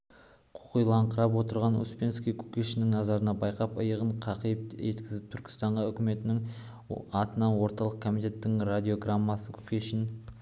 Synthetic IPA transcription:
qʰʊ̥qəjlˠɑɴqʰəɾɑpwo̞t̪əɾʁɑnʊ̰spʲe̞nskʲijkʲʰu̥kʲeʃɪnɪŋnɑzɑɾənɑbɑjqɑpəjəʁəɴqʰɑqəjəpe̞t̪kʲɪzɪp̚t̪ʰʏɾkʲɪ̥st̪ɑɴʁɑʏkʲɪme̞t̪ɪnɪŋ | ɑt̪ənɑnwo̞ɾt̪ɑlˠəq̚kʰo̞mijt̪ʲe̞t̪ːɪŋrad̪ʲio̞ɡramːɑsəkʲʰu̥kʲeʃɪn

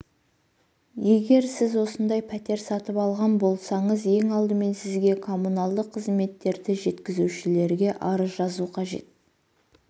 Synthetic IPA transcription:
je̞ɡʲe̞ɾsɪzwo̞sənd̪ɑjpʰæt̪e̞ɾsɑt̪əpɑlˠʁɑnbo̞lˠsɑɴəzje̞ŋɑlˠd̪əme̞nsɪzɡʲe̞kʰo̞munɑlˠd̪əqʰːəzme̞t̪ːe̞ɾd̪ɪʒe̞t̪kʲɪzuwʃɪle̞ɾɡʲe̞ʔɑɾəzʒɑzuqʰɑʒe̞̰t̪̚

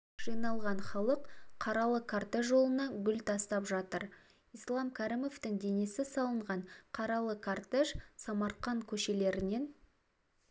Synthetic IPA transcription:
ʒ̥ijnɑlˠʁɑnχɑlˠəqqʰɑɾɑlˠəkʰart̪eʃʒo̞lˠənɑɡʲʏlt̪ʰɑst̪ɑpʒɑt̪əɾ | ijslˠɑmkʲʰæɾimo̞ft̪ɪŋd̪e̞ne̞sɪsɑlˠəɴʁɑɴqʰɑɾɑlˠəkʰart̪eʃsɑmɑɾqɑŋkʲʰɵʃe̞le̞ɾɪne̞n

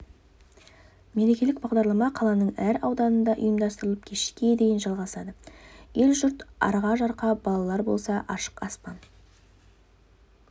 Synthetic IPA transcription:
me̞ɾe̞kʲe̞lɪk̚bɑʁd̪ɑɾlˠɑmɑqʰɑlˠɑnəɴæɾɑwd̪ɑnənd̪ɑʔʊjəmd̪ɑst̪əɾəlˠəp̚kʲʰe̞ʃkʲe̞d̪e̞jɪnʒɑlˠʁɑsɑd̪əje̞lʒʏɾt̪ɑ̰ɾʁɑʒɑɾqɑbɑlˠɑlˠɑɾbo̞̰lˠsɑʔɑʃə̥qɑspɑn

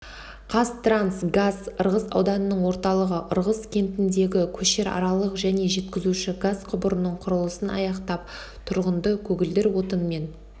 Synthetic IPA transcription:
qʰɑst̪ransɡazəɾʁəsɑ̰wd̪ɑnənəɴwo̞ɾt̪ɑlˠəʁəʔʊɾʁəskʲʰe̞mt̪ɪnd̪e̞ɡʲɪkʲʰɵʃe̞ɾɑ̰ɾɑlˠəqʒæne̞ʒe̞t̪kʲɪzuʃɪɡazqʰʊbəɾənəɴqʰʊɾəlˠəsənɑ̰jɑqt̪ɑp̚ | t̪ʰʊɾʁənd̪əkʲʰɵɡʲɪld̪ɪɾwo̞t̪ənme̞n

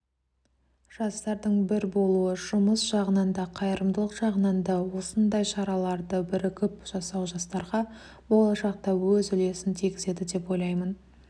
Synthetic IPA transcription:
ʒ̥ɑst̪ɑɾd̪əɴbɪɾbo̞lˠuəʒ̥ʊməsʒ̥ɑʁənɑnd̪ɑqʰɑjəɾəmd̪əlˠəqʒ̥ɑʁənɑnd̪ɑwo̞sənd̪ɑjʃɑɾɑlˠɑɾd̪əbɪɾɪkʲʰɪpʒ̥ɑsɑwʒɑst̪ɑɾʁɑ | bo̞lˠɑʃɑq̚t̪ɑwɵzʏle̞sɪnt̪ʰiɡʲɪze̞d̪ɪd̪e̞po̞jlˠɑjmən

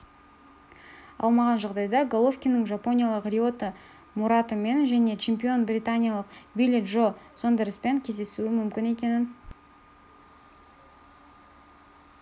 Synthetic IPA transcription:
ɑ̰lˠmɑʁɑnʒɑʁd̪ɑjd̪ɑɡolˠo̞fkʲijnəŋʒɑpo̞nʲijɑlˠəqrʲio̞t̪ə | muɾɑt̪əme̞nʒæne̞t͡ʃʰe̞mpʲio̞nbrʲijt̪anʲijalˠəqbilʲet̪ʒoso̞nd̪əɾəspeŋkʲʰe̞zd̪e̞suɪmʏmkʲɪne̞kʲe̞nɪn

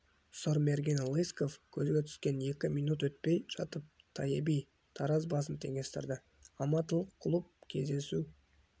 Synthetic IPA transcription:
soɾmerɡʲinlˠiskofkʲʰɵzɡʲe̞t̪ʰʏ̥skʲe̞ne̞kʲɪmijnut̪wɵt̪̚pe̞jʒ̥ɑt̪əp̚t̪ʰɑjebij | t̪ʰɑɾɑz̬bɑs̬ənt̪ʰe̞ŋʲe̞st̪ɪ̰ɾd̪ɪ | ɑmɑt̪əlˠəqːʰʊlˠəp̚kʲʰe̞̰zd̪e̞su

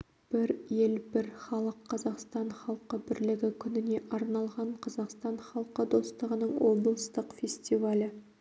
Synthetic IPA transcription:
b̥ɪɾje̞lbɪɾχɑlˠəqʰːɑzɑqst̪ɑɴχɑlˠqəbɪɾlɪɡʲɪkʲʰʏnɪne̞ʔɑɾnɑlˠʁɑɴqʰɑzɑqst̪ɑnχɑlˠqəd̪o̞st̪əʁənəɴwo̞blˠəst̪əqfʲesʲt̪ʲivalʲɪ

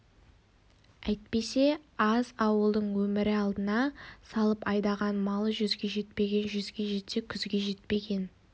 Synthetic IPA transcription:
æjt̪̚pe̞se̞ɑzɑwəlˠd̪əɴwɵmɪɾɪɑlˠd̪ənɑsɑlˠəpɑjd̪ɑʁɑnmɑlˠəʒʏzɡʲe̞ʒe̞t̪̚pe̞ɡʲe̞nʒʏzɡʲe̞ʒe̞t̪se̞kʲʰʏzɡʲe̞ʒe̞t̪̚pe̞ɡʲe̞n

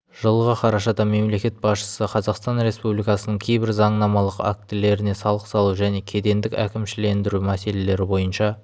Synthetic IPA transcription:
ʒ̥əlˠʁɑqʰɑɾɑʃɑd̪ɑme̞mle̞kʲe̞t̪̚bɑsʃə̥səqʰɑzɑqst̪ɑnɾe̞spublijkɑsənəɴkʲʰejbɪɾzɑɴnɑmɑlˠəqa̰k̚t̪ɪle̞ɾɪne̞sɑlˠəqsɑlˠuʒæne̞kʲʰe̞d̪e̞nd̪ɪkʲækʲɪmʃɪlend̪ɪɾumæse̞le̞le̞ɾɪbo̞jənʃɑ

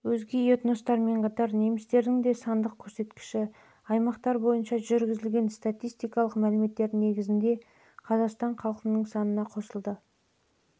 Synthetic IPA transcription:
wɵzɡʲe̞jot̪no̞st̪ɑɾme̞ɴqʰɑt̪ɑɾne̞mɪst̪e̞ɾd̪ɪŋd̪e̞sɑnd̪əq̚kʲʰɵɾse̞t̪kʲɪ̥ʃɪ | ɑjmɑqt̪ɑɾbo̞jənʃɑʒʏɾɡʲɪzɪlɡʲe̞nst̪at̪ʲijst̪ijkɑlˠəqmælɪme̞t̪ːe̞ɾne̞ɡʲɪzɪnd̪e̞ | qʰɑzɑqst̪ɑɴqʰɑlˠəqənəɴsɑnənɑqʰo̞səlˠd̪ə

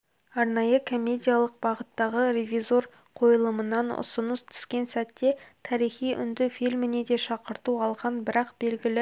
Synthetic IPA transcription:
ɑɾnɑjəkʰo̞mʲːe̞d̪ʲijalˠəq̚bɑʁət̪ːɑʁəɾe̞vʲizo̞r | qʰo̞jəlˠəmənɑnʊ̰sənəst̪ʰʏ̥skʲe̞nsæt̪ːe̞t̪ʰɑɾijχijʔʏ̰nd̪ɪfilmɪne̞d̪e̞ʃɑqəɾt̪uɑlˠʁɑnbɪɾɑqb̥e̞lɡʲɪlɪ

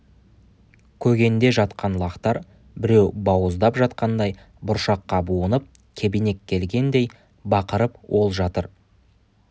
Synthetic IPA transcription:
kʲʰɵɡʲe̞nd̪e̞ʒɑt̪qɑnlˠɑqt̪ɑɾ | bɪɾe̞wbɑwəzd̪ɑpʒɑt̪qɑnd̪ɑj | bʊɾʃɑqːɑbuənəp̚ | kʲʰe̞bijne̞kʲʰːe̞lɡʲe̞nd̪e̞j | bɑqəɾəpwʔo̞lˠʒɑt̪əɾ

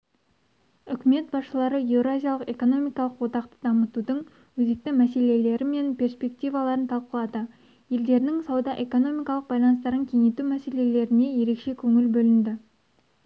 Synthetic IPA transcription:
ʏkʲɪme̞t̪̚bɑsʃəlˠɑɾəje̞vɾoazʲijalˠəqe̞ko̞no̞mijkɑlˠəqwot̪ɑqt̪ə̥d̪ɑmət̪ud̪əɴ | wɵze̞k̚t̪ɪmæse̞le̞le̞ɾɪme̞npʰʲe̞ɾspʲe̞k̚t̪ijvɑlˠɑɾənt̪ʰɑlˠqəlˠɑd̪ə | je̞ld̪e̞ɾɪnɪŋsɑwd̪ɑʔe̞ko̞no̞mijkɑlˠəq̚bɑjlˠɑnəst̪ɑɾəŋkʲʰe̞ŋe̞t̪umæse̞le̞le̞ɾɪne̞je̞ɾe̞kʃe̞kʲʰɵŋɪlbɵlɪnd̪ɪ

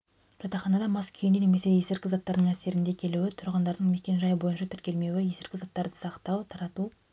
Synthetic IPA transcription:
ʒ̥ɑt̪ɑχɑnɑd̪ɑmɑskʲʰʏjnene̞me̞se̞je̞sɪɾkʲɪzɑt̪ːɑɾd̪əɴæse̞ɾɪnd̪e̞kʲʰe̞luwɪt̪ʰʊɾʁənd̪ɑɾd̪əɴme̞kʲe̞nʒɑjbo̞jənʃɑt̪ʰʏɾkʲe̞lme̞wɪje̞sɪɾkʲɪzɑt̪ːɑɾd̪əsɑqt̪ɑwt̪ʰɑɾɑt̪u

